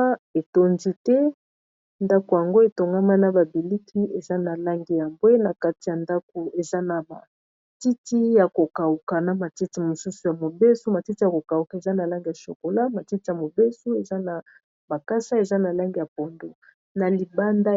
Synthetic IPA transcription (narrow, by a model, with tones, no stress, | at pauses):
e˨to˦nzi˦tɛ˦ | nda˦ko˨ja˨ŋɡo˦e˨to˨ŋɡa˦ma˦na˦ba˨bi˨li˦kʰi˦e˨za˦na˨la˦ŋɡi˦ja˨mbwe˦na˨ka˦ti˨ja˨nda˦k̚o˨e˨za˦na˨ba̰˨ | ti˦ti˦ja˨ko˨ka˨u˨ka˨na˨ma˨ti˦ti˦mo˨su˦su˨ja˨mo˨be˦so˦ma˨ti˦ti˦ja˨ko˨ka˨u˨ka˨e˨za˦na˨la˦ŋɡi˨ja˨ʃo̰˨ko˨la˦ma˨ti˦ti˦ja˨mo˨be˦so˦e˨za˦na˨ | ba˨ka˦sa˦e˨za˦na˨la˦ŋɡi˨ja˨po˨ndo˨ | na˨li˨ba˦nda˦